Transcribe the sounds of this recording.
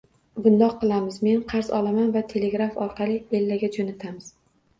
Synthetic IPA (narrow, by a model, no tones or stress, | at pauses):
bʊnd̪ɒqːɨlˠamɪzme̞nqʰɑɾzɒ̰lˠamanvat̪ʰe̞le̞ɡɾafɒɾqʰɑlˠɪelːaɡʲad͡ʒonat̪ʰamɪz̥